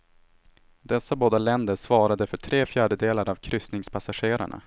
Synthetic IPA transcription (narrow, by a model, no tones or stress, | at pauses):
d̪ɛsːaboːd̪alɛnd̪əʂvɑːɾad̪əfœʈʰɾeːfjæːɖəd̪eːlaɾavkʰɾʏst̪nɪŋspʰasaɧeːɾa̰ɳa̰